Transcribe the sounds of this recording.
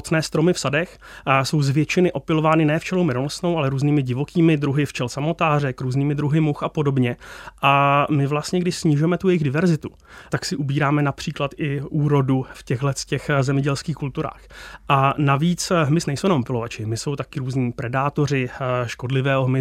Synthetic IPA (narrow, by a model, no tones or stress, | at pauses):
t͡snɛːst̪ɾo̞mɪfsadɛx | so̞wzvjɛt͡ʃɪnɪʔo̞pɪlo̞vaːnɪnɛːft͡ʃɛlumɪnolosno̞wʔalɛɾuːzniːmɪɟɪvo̞kiːmɪd̪ɾuɦɪft͡ʃɛlsamo̞t̪aːrɛkɾuːzniːmɪd̪ɾuɦɪmuxʔapo̞do̞bɲɛʔamɪvlast̪ɲɛɡdɪʃsɲɪʒʊjɛmɛt̪ujɛjɪɣdɪvɛɾzɪt̪u | t̪aksɪʔubiːɾaːmɛnapr̝̥iːklat̪ɪʔuːɾo̞dufcɛɣɦlɛscɛxzɛmɲɛɟɛlskiːxkult̪uɾa̰ːxʔanaviːt͡sɦmɪsnɛjsownamopɪlo̞vat͡ʃɪmɪso̞wt̪akɪɾuːzɲiːpɾɛdaːt̪o̞r̝ɪʃko̞dlɪvɛːɦoɦmɪ